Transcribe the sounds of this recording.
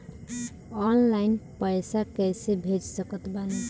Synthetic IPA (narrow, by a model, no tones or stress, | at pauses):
ɔnlaɪnpəjsakɛjsebʱed͡ʒsəkət̪bane